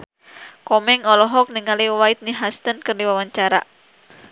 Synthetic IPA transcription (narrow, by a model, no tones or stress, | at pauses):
kɔmɛŋɔlɔɦɔk̚niŋaliwait̪̚niɦast̪ənkɨrdiwawaɲt͡ʃaɾa̰